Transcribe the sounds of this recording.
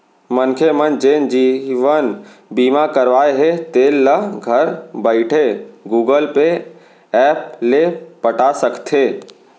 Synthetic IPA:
mənkʰemənd͡ʒeːnd͡ʒiːʋənbiːmakəɾʋaːeɦet̪eːlːəɡʱəɾbəɪʈʰeɡuːɡəlpe | ɛːp̚lepəʈasəkt̪ʰeː

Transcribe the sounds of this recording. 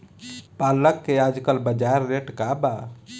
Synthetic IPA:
paləkːead͡ʒkəlbəd͡ʒaɾːeʈkaba

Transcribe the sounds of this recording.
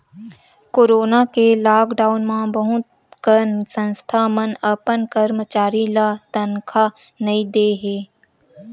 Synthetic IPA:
koːɾoːnakelaːkɖaːʊnmãbəɦʊt̪ | kəsə̃nst̪ʰaːmənəpənkəɾmət͡ʃaːɾilat̪ənkʰanɐĩd̪eːɦeː

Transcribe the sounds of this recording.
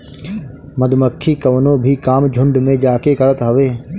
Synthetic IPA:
mɐd̪ʱməkʰːikɐʋnobʱikaːmd͡ʒʱʊ̃ɳɖmẽd͡ʒaːkekɐɾət̪ɦɐʋeː

